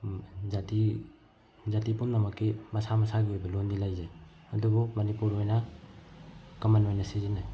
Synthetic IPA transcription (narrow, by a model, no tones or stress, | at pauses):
zati | zatipunnamɐkːimɐsamɐsaɡiojbɐlondilajze | ɐdubumɐnipuɾojna | kɐmɐnojnasizina